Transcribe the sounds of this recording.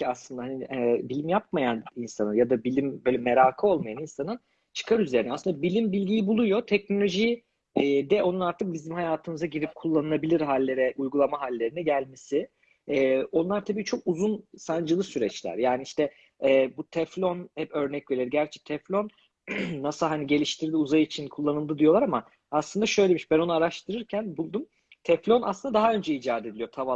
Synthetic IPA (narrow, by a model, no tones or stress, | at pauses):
iaslˠɯnd̪aɦhaniɛbilʲimjap̚majaninsanɯnjad̪abilʲimbø̞jlʲɛme̞ɾaːkʰɯo̞lˠmajaninsanɯn | t͡ʃʰɯ̥kʰaɾyze̞ɾinɛasɯnd̪abilʲimbilʲɟijibulˠujo̞t̪ʰɛcno̞lʲo̞ʒi | d̪ɛʔo̞nunaɾt̪ʰɯk̚bizimhajaːt̪ʰɯmɯzaɟiɾip̚kʰulˠːanɯabilʲiɾɦalʲːe̞ɾɛʔujɡulˠamaɦalʲːe̞ɾinɛɟælʲmesɪ | ɛːo̞nlˠaɾt̪ʰabiːt͡ʃʰo̞kuzunsand͡ʒɯlˠɯsyɾɛt͡ʃlʲæ̰ɾjaːniiʃt̪ɛː | but̪ʰɛflʲo̞nhɛpø̞ɾnɛcvelʲiɾɟæɾt͡ʃʰɛ̥t̪ʰɛflʲo̞nː | asɯlˠɦaniɟe̞lʲiʃt̪ʰiɾd̪iuzajɯit͡ʃʰinkʰulˠːanɯlˠd̪ɯd̪ijo̞lˠaɾama | aslˠɯnd̪aʃø̞jle̞miʃbæno̞nuaɾaʃt̪ʰɯɾɯɾcʰænbulˠd̪um | t̪ʰɛflʲo̞na̰slɯnd̪ad̪aɦaø̞nd͡ʒɛid͡ʒaːd̪ed̪ilʲijo̞t̪ʰava